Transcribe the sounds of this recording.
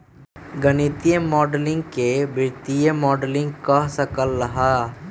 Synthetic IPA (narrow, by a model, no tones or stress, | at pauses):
ɡənit̪ijəmɔːɖlɪ̃ŋɡkebɪɾt̪ijəmɔːɖəlɪ̃ŋɡkasɐkəlːɐɦa